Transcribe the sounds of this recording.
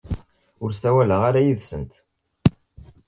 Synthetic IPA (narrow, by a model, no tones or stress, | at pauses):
ʊɾsæwæləʁaɾajiðsənt̪